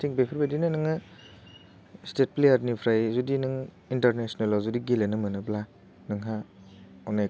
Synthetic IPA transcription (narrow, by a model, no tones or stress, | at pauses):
tʰiŋbepʰɯɾbadinɯnɯŋɯ | stet̚plejaɾnipʰɾajzudinɯŋ | intaɾnesnalazudiɡelenɯmɯnɯbla | nɯŋɦa | ɔnaj